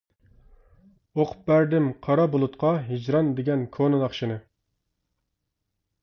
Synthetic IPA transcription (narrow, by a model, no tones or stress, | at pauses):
oqʰʊ̥p̚bæɾd̪ɪmqʰɑɾɑbolˠut̪qʰɑɦid͡ʒɾɑnd̪eɡʲɛnkʰonɨnɑχʃɪnɨ